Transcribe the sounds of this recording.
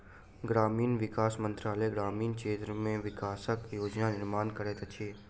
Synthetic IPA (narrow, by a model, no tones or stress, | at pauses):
ɡɾaːmiːnʋɪkaːsmə̃nt̪ɾaːləjɡɾaːmiːnkeːt̪ɾəmẽʋɪkaːsəkjoːd͡ʒnanɪɾmaːnkəɾeːt̪ɐt͡ʃʰeː